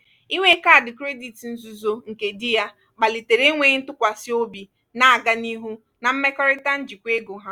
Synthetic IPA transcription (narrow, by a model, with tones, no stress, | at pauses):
i˦ŋʷe˦ka˦˨dɪ˨kɾe˦di˨tn̩˦zu˨zo˦ŋ̩˨ke˨di˦ja˦ | ɡ͡ba˨li˨te˨ɾe˦ŋʷe˨˦n̩˦tʊ˦kʷa˨sɪ˦o˦bi˨ | na˨a˨ɡa˦ni˦ɦu˦ | na˨m̩˦me˦kɔ˦ɾɪ˦ta˦n̩˦d͡ʒi˨kʷe˦ɡo˨ɦa˦